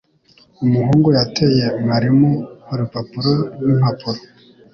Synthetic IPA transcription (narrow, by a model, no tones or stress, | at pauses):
umuɦuːŋɡojatʰeje̞maɾimohaɾipapuɾoɾwin̥hapuɾo